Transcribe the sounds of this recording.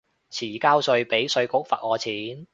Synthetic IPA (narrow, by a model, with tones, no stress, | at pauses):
t͡sʰiː˨˩kaː˥wsɵ˧ɥpe˨˥jsɵ˧ɥkʊ˨˥k̚fɐ̰˨˩t̚ɔː˨˧t͡sʰiː˨˥n